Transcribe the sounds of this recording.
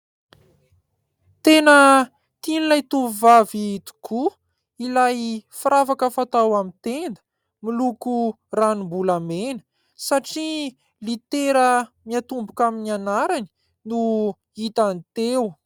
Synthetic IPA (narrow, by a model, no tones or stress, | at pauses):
t̪enə | t̪inlajt̪uivavit̪u̥kʰu | ilajfiɾavakəfat̪awamit̪end̪ə̥ | miluku | ranimbulamenə̥ | saʈ͡ʂi | lit̪eɾəmiat̪umbukaminianaɾani̥ | nu | it̪anit̪ew